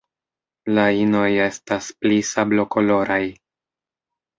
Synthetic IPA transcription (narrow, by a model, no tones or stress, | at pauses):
laino̞je̞stasplisablo̞ko̞lo̞ɾaj